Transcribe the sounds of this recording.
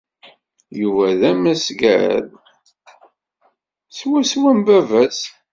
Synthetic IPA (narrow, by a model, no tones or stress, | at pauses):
juvæðæmæsɡæɾæ̰ð | swæswæmbævæs